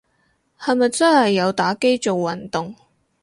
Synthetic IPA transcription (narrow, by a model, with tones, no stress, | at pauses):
hɐ˨jmɐ˨jt͡sɐ˥nhɐ˨jːɐ˨˧wt̪aː˨˥ke˥jt͡so˨wːɐ˨˩nt̪ʊ˨ŋ